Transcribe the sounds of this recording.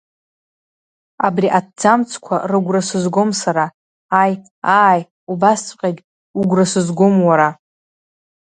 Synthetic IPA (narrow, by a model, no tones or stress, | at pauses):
abriʔad̚d͡zamt͡sʷʰkʷʰa̰rɨɡʷrasɨzɡo̞msaɾaː | j | aːj | ubast͡sʷʼqʲʼaɡʲ | uɡʷrasɨzɡʷomwaɾa